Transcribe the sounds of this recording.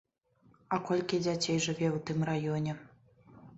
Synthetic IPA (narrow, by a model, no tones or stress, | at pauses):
ɐkɔlʲkʲid͡zʲat͡sʲɛjʐɨvʲɛwt̪ɨmrajɔnʲɛ